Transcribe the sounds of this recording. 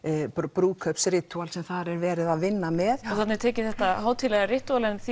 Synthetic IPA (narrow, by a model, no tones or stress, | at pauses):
pɾuːkʰœpsɾɪt̪ualsɛmθaɾɛɾvɛːɾɪðaðvɪnːamɛðɔθat̪nɛɾt̪ʰɛːcɪθɛht̪aɦaːwt̪ʰɪlɛːɣarɪht̪ualɛnθ